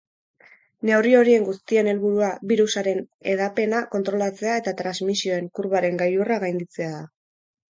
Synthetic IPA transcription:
ne̞urio̞ɾie̞ŋɡust̪ie̞ne̞lβuɾuaβiɾusaɾe̞ne̞ð̞ape̞nako̞nt̪ɾo̞lat͡se̞ae̞t̪at̪ɾazmisio̞e̞ŋkuɾβaɾe̞ŋɡajuraɣajnd̪it͡se̞aða

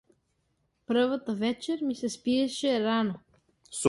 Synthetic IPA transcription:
pɾvat̪avɛt͡ʃɛɾmisɛspiɛʃɛɾano | s

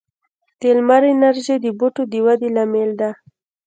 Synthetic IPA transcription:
t̪elmaɾenaɾʒed̪əbuʈod̪əwad̪elameld̪a

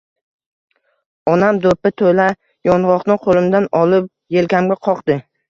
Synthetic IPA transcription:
ɒnamd̪opɪt̪ʰola | jɒnʁɒqnɪqʰolˠɪmd̪anɒlɪp̚ | jelkʲʰamɡʲaqʰɒqd̪̥ɪ

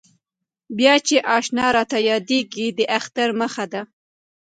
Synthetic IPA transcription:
bjɑt͡ʃeʔɑʃnɑɾɑt̪ajɑd̪eɡid̪əʔaxt̪aɾməxad̪a

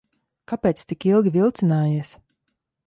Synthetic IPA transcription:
kapɛːt̪st̪ikilˠɡʲivilˠt̪sinaːjiɛs

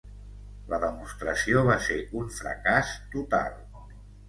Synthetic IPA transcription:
ləðəmust̪ɾəsioβaseuɱfɾə̰kast̪ut̪a̰lˠ

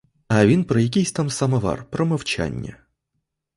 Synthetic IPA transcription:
ɐʋʲinpɾɔjɐkʲijsʲt̪amsɐmɐʋa̰rpɾɔmɐwt͡ʃa̰nʲːɐ̰

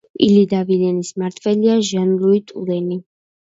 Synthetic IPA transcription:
ḭlid̪avilɛnismaɾt̪ʰvɛliaʒanluit̪ʼulɛni

